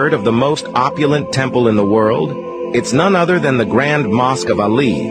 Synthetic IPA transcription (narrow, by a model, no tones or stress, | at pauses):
ə˞ɾʌvðəmoʊstɑpjɨl̩ˠə̃ntʰɛ̃mpl̩ˠə̃nðəwɜ˞lˠd | ɨtsnʌ̃nʌðə˞ðɨ̃nðɨɡɹæ̃ndmɑskʌvəlḭ